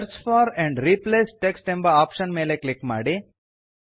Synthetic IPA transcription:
ɾsfaːɾɛ̃ɳɖɾipleːsʈeksʈẽmbɐaːpʃɐnmeːleklikma̰ːɽi

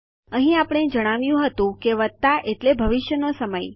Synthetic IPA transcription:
əɦĩapəɽ̃ed͡ʒəɽ̃aʋjũɦət̪ũkeʋət̪ːaʔeʈlebʱəʋɪʃjənosəməj

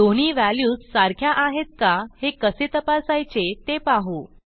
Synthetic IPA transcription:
d̪oɽ̃iːʋæljuːssaɾkʰjaʔaɦet̪̚kahekəset̪əpasajt͡ɕet̪epaɦu

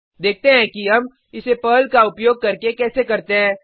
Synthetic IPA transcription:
d̪eːk̚ʰt̪eɦɛ̃kiɦɐm | ɪsepəːlkaʊpjoːɡ̚kɐɾkekɛːsekɐɾt̪eɦɛ̃ː

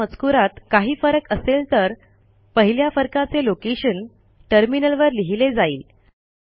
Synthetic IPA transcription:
ət͡skuɾat̪kaɦiːfəɾəkəselt̪əɾ | pəɦiljafəɾkat͡selokeɕən | ʈəɾminəlʋəɾliɦiled͡zaiːl

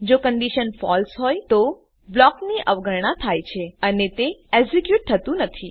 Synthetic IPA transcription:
d͡ʒokəɳɖiʃənfɔ̰lsɦojt̪o | blɔkniʔəʋɡʱəɾɳ̃ãt̪ʰajt͡ʃʰeənet̪eezikjuʈ̚t̪ʰət̪ũnət̪ʰi

